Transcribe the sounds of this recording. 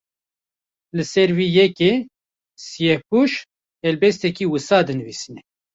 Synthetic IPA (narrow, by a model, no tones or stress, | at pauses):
lɨsɛɾwiːjɛke | sijɛpuʃ | ɛlbɛst̪ɛkiːwɨsɑːd̪ɨnɨvisinɛ